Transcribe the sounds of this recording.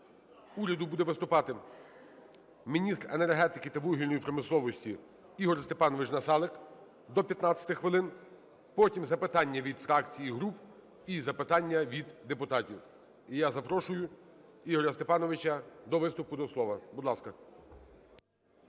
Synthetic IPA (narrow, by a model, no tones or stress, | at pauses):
uɾʲɐd̪ʊbud̪ɛʋɪst̪ʊpɑt̪ɪ | mʲinʲist̪renerɦɛt̪ɪkɪt̪ɐʋuɦilʲnɔjipɾɔmɪslˠɔʋɔsʲtʲi | iɦɔrst̪epɑnɔʋɪt͡ʃnɐsɑlˠɪk | d̪ɔpʲjɐt̪nɑt͡sʲɐ̥t̪ɪxʋɪlˠɪn | pɔtʲimzɐpɪt̪ɑnʲːɐʋʲid̪fɾɑkt͡sʲijiɦɾup | izɐpɪt̪ɑnʲːɐʋʲid̪ːepʊt̪ɑtʲiw | ijazɐpɾɔʃʊjʊ | iɦɔɾɐst̪epɑnɔʋɪt͡ʃɐd̪ɔʋɪst̪ʊpʊd̪ɔslˠɔʋɐbud̪lˠɑskɐ